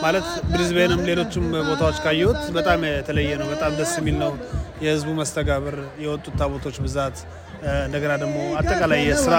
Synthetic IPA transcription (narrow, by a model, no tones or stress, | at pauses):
malət̪bɾizbenɨmle̞lo̞t͡ʃːɪmbo̞t̪ʰawot͡ʃːkʰajɛwut̪bət̪ʼamt̪ʰələjːɛnəwbət̪ʼamd̪əsːjɛmːilnəwjɛhɨzbuməst̪ʰəɡaβəɾjɛwɔt̪ʼːut̪ʰːaβot̪ʰo̞t͡ʃːbɨzat̪ | ɨnd̪əɡənad̪əɡmo̞at̪ʼːəkʼalajːɛsɨɾa